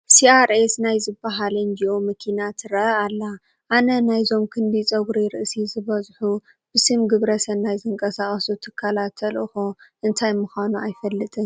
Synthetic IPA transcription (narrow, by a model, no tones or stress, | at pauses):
siaɾesnajzɨbːaɦalɨnd͡ʒiʔomɨkʰinat̪ʰɨɾɐʔɐalːa | ʔanɐnajzo̞mkʰɨnbit͡sʼɐɡɾiɾɨʔsizɨβɐzħu | b̥ɨsɨmɡɨβɾɐsɐnːajzɨŋkʼɐsaxʼɐsut̪ʰɨkʰːalat̪ʰːɐlʔɨxoʔɨnt̪ʰajmɨxʷanuajfɐlːɨt̪ʼɨɲ